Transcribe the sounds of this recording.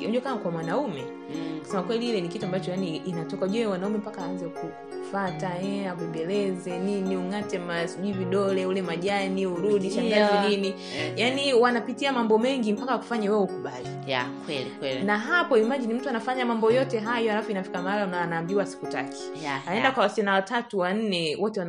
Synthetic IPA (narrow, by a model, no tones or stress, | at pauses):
ɔʄukamakwamwanaumɛ | u̥sɛmakwɛliilɛnikituambat͡ʃɔjaniːnatɔkauʄuɛwanaumɛm̩pakaːanzɛku | fataɛaɓɛdɛlɛzɛniniuŋatɛmasiʄuiviɗɔlɛulɛmaʄaniuɾuɗiʃaŋɡazɛnini | janiwanapitiamambɔmɛŋɡim̩pakaaku̥faɲawɛwɛukuɓalijkwnaɦapɔimaʄinim̩tuanafaɲamambɔjɔtɛɦajɔalafɔinafi̥kamaalanaːnaːmbiwasi̥kuta̰kʰi̥ | aɛndakwawasanawatatuwan̩nɛwɔtɛwan